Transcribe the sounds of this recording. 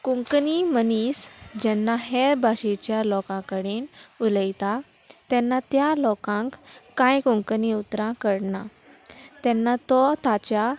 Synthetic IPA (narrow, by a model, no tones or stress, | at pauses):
kũŋknimənisd͡ʑɛnːaɦɛɾbʱaɕet͡ɕjalɔkãkəɽenuləjt̪a | t̪ɛ̃nːat̪jalɔkãŋkːãjkuŋkniut̪ɾãkəɽna | t̪ɛnːat̪ɔt̪at͡ɕja